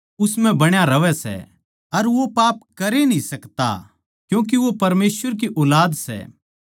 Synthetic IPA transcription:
ʊsmɛ̃bɐɽ̃jaɾɐʋɛsɛ̰ | ɐɾʋopaːpkɐɾenĩsɐkt̪a̰ | kjũːk̬iʋopɐɾmeːsʋəɾk̬iʔɔːlaːd̪sɛ̰ː

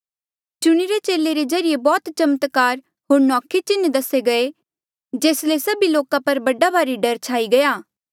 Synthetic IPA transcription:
t͡ʃʊɽ̃iɾet͡ʃeːleɾezɐɾɪjebɔːt̪t͡ʃɐmət̪kaːɾ | ɦoːɾnɔːkʰet͡ʃɪnd̪ɐseɡɐe | d͡ʒeːslesɐbiloːkãpɐɾbɐɖabʱaːɾiɖɐɾt͡ʃʰaːiɡɐjaː

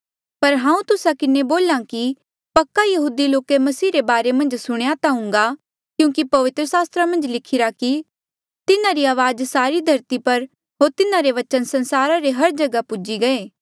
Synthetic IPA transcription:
pɐɾɦãːũt̪ʊsakɪneboːlãki | pɐkːajɐɦuːd̪iloːkemɐsiːɾebaːɾemɐ̃nd͡ʒsʊɽ̃jat̪aɦʊ̃ŋ̆ɡa | kjũːkipɐʋɪt̪ɾəsaːst̪ɾamɐ̃nd͡ʒlɪkʰɪɾaki | t̪ɪnãɾiaːʋaːd͡ʒsaːɾid̪ʱɐɾt̪ipɐɾ | ɦoːɾt̪ɪnãɾeʋɐt͡ʃənsɐnsaːɾaɾeɦɐɾd͡ʒɐɡapʊd͡ʒiɡɐeː

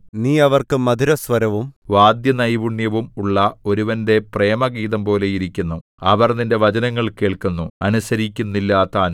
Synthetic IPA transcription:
niːɐʋɐrkɨmɐd̪ʱiɾɐsʋɐɾɐʋumʋaːd̪jɐnɐjʋuɳjɐʋumuɭːɐo̞ɾuʋɐnde̞pre̞ːmɐɡiːðɐmpo̞ːle̞jiɾikʲːunːuɐʋɐrninde̞ʋɐd͡ʑɐnɐŋːɐɭke̞ːɭkunːuɐnusɐɾikʲːunːilːaːt̪ːaːn

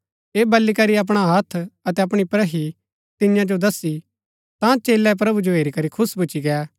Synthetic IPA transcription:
eːbɐlːikɐɾiɐp̬ɽ̃aɦɐt̪ʰɐt̪ɛɐpɽ̃ipɾəɦi | t̪ɪjãd͡ʒod̪ɐsi | t̪ãt͡ʃeːlːɛp̬ɾɐbud͡ʒoɦeːɾikɐɾikʰʊsbʊt͡ʃiɡɛa

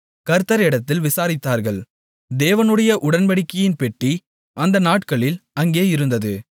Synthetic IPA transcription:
kɐɾt̪ːɐɾɛɽɐt̪ːɪlʋɪsaːɾɪt̪ːaːɾɣɐɭ | d̪eːʋɐnɯɽɐjɐʔʊɽɐnʋɐɽɪkːɐjɪnpɛʈːi | ʔɐnd̪ɐnaːʈkɐɭɪlɐŋɡeːɪɾɯnd̪ɐðɯ

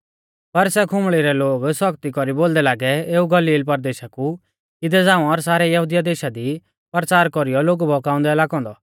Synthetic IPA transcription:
pɐɾsɛkʰʊ̃mɭiɾɛloːɡsɔkt̪ikɔɾiboːld̪ɛlaːɡɛeːuɡɐliːlpɐɾd̪eːʃaku | ɪd̪ɛd͡zãːũɔɾsaːɾɛjɐɦud̪ijad̪eːʃad̪i | pɾt͡saːɾkɔɾijɔloːɡbʱɔkaːʊ̃nd̪ɛːlaːkɔ̃ːnd̪ɔ

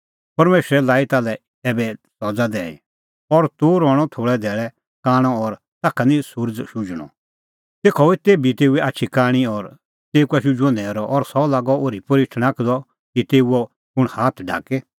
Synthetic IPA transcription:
pɐɾmeːsɾɛlaːit̪aːlɛ | ɛːbɛsɔd͡zad̪ɛːḭ | ɔɾt̪oːɾɔːɽ̃ɔt̪ʰoːɭɛd̪ʱɛːɭɛ | kaːɽ̃ɔɔɾ | t̪aːkʰanĩsʊɾd͡zʃʊd͡ʒɽ̃ɔ̰̃ | t̪eːkʰɔit̪eːbit̪eːuɛʔaːtːʃʰikaːɽ̃iɔɾ | t̪eːukɛʃud͡ʒɔ̃nd̪ɛɾɔʔɔɾsɔlaːɡɔoːɾipɐɾɪʈʰnãkd̪ɔ | kit̪eːuɔ | ʊɽ̃haːt̪ʰɖʱa̰ːke

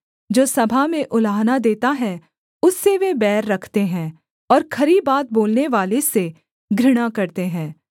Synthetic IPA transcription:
d͡ʒoːsɐbʱamẽʔʊlaːɦnad̪eːt̪aɦɛ | ʊsːeʋebɛːɾːɐkʰt̪eɦɛ̃ː | ɔːɾkʰɐɾibaːt̪̚boːlneʋaːlese | ɡʱɾɪɽ̃akɐɾt̪eɦɛ̃ː

